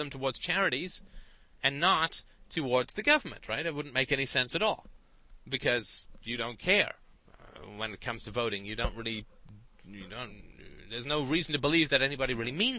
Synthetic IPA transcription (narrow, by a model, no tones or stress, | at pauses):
ðə̃mtʰəwɔɹdz̥t͡ʃʰæɹɨɾiz̥ɨ̃nːətʰɨwɔɹdz̥ðɨɡʌvə˞mɨ̰̃nʔ̚ɹaɪtɨt̚wʊdⁿn̩meɪkɛnisɛ̃nsɨɾɔ̰lˠ | bɨkʰʌzjɨɾõʊ̃nkʰɛɹ | wə̃nɨt̚kʰʌ̃mz̥tʰɨvoʊɾɪ̃ŋjɨdõʊ̃nʔ̚ɹɪlˠi | jɨdõʊ̃nðə˞znoʊɹizn̩tɨbəlivðɨɾɛnibɑɾiɹɪlˠimĩn